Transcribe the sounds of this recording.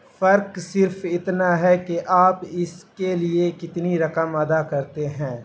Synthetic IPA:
fɐɾksɪɾfʰɪt̪naɦɛkeʔaːpɪskeliekɪt̪niɾɐkəmɐd̪akɐɾt̪eɦɛ̃ː

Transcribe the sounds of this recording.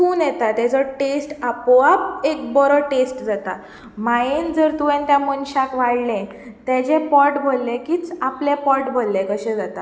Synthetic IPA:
tũːnjɛt̪at̪at͡səʈesʈapɔap̚ek̚bɔɾəʈesʈd͡zat̪a | maend͡zəɾt̪uʋẽnt̪jãmənɕãkʋaɽlɛ̃ | t̪et͡ɕẽpɔɾʈbʱolːẽkiːt͡saplepɔʈbʱolːẽkəɕɛ̃d͡zat̪a

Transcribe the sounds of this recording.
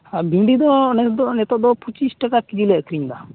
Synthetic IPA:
abiɖid̪ɔnɛɔnɛt̪ɔʔd̪ɔpʰut͡ʃisʈɛkakid͡ʒilɛkʰɾiɲd̪a

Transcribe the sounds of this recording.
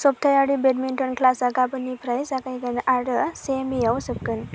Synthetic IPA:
sɔp̚t̪ʰajaɽibetminʈɔnkʰlasakapɯnipʰɾajsakajɡɯnaɾɯsemijawsɯp̚kɯn

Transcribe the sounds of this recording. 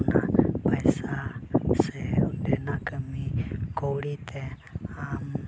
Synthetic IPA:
napajsasɛudɛnakəmikowɽit̪ɛ | am

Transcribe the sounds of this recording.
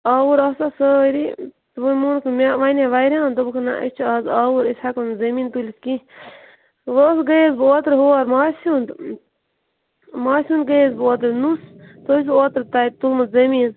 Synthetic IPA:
aːwuɾɐsasəɾit̪bumunkʰmʲaʋanẽʋajɾʲãːnt̪ubukʰna̰ʔɐ̰t͡ʃʰuaːzaːwuɾisʲakɐnzɐmiːnt̪uliski | ʋəsɡejzbɨoːt̪ɾɦoːɾmaːsund̪ | maːsʲun̚ɡezbɨoːt̪̬ɾnust̪os̬oːt̪ɾt̪aj̚t̪ulmɨzɐmiːn

